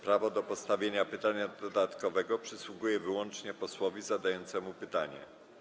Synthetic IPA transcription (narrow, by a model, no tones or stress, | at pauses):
pɾavɔd̪ɔpɔst̪avʲjeɲapɘt̪aɲad̪ɔd̪at̪kɔvɛɡɔpʂɘswuɡujɛvɘwɔnt͡ʂɲɛpɔswɔvʲizad̪ajɔnt̪sɛmupɘt̪aɲɛ̰